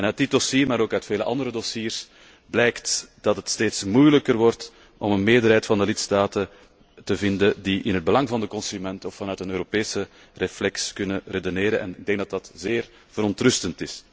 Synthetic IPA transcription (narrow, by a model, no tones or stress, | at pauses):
ɛnœːt̚dɪdɔsiːrmaːɾoːkœɥtfeːləʔɑ̰ndəɾədɔsiːrs | blɛjktd̥ɑtɦətsteːtsmujləkərʋɔrt | ʔɔmənmeːrdərɦɛjtfɑndəlɪtstaːtə | təvɪndədiʔɪnɦəd̚bəlɑŋvɑndəkɔnsymɛntɔfːɑnœɥtənøːɾopeːsə | reflɛkskʏnəredoneːɾənʔɛ̰nɪɡ̚d̪ɛŋɡ̚dɑtdɑtz̥eːr | v̥əɾɔntrɵstəntɪs